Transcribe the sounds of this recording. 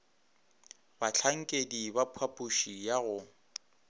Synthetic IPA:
bat͡ɬʰaŋ̩kʼedibapʰwapʼuʃijaɣʊ

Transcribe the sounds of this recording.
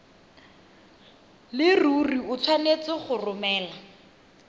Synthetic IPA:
lɪruriʊt͡sʰwanet͡sɪχʊrʊmɛːla

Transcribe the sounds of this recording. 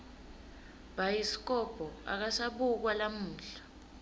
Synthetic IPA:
b̥ajisi̥k̬ɔb̥ʰʱɔa̰k̬asaɓuk̬walam̩ːɬḁ

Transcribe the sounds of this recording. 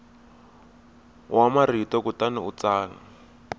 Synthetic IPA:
wamaritɔkutaniut͡saːla̰

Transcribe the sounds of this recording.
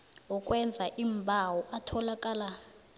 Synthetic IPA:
wɔkʼwɛnd͡zʱaʔimbʱawɔʔatʰɔlakʼaːla

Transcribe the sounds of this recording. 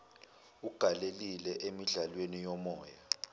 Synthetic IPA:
uɡ̥ʱalelilɛʔemiɮalwenijɔmɔːja

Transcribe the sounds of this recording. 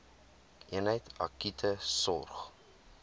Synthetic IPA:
ʔiənɦəjtɑkitʰəsɔrχ

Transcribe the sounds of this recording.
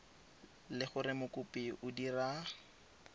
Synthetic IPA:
lɪχʊɾɪmʊkʊpɪʔʊdira

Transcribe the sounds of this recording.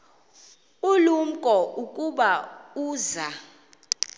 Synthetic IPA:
ulum̩kʼɔʔukʼuɓauːza

